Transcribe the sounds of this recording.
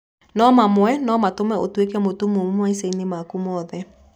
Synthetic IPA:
nɔmamwɛnɔmatomɛʔotwekɛmotumomomwaiseinemakumɔðɛ

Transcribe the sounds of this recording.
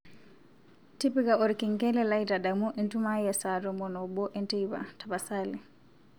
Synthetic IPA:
tipiɡaɔɾkiŋkɛlɛlajtadamuʔɛntumajɛsadɔmɔnɔbɔʔɛntɛjba̰tabasali

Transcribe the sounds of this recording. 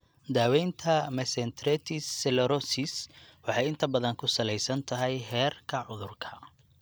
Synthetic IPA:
d̪aːwɛjnt̪ʰɐmɛsɛnt̪ʰɾɛt̪ʰɪsːɛlɛɾɔsɪswɑħɑjɪnt̪ʰɐbɐðɐŋkʰʊsɐlɛjsɐnt̪ʰɐɦɛjɦɛːrkʰɐʕʊðʊrkʰɐ̥

